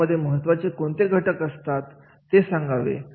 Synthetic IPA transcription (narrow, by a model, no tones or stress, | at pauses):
əd̪ʱːjeməɦət̪ːʋat͡sekoɳt̪eɡʱəʈəkəst̪at̪ː | esãŋɡaʋḛ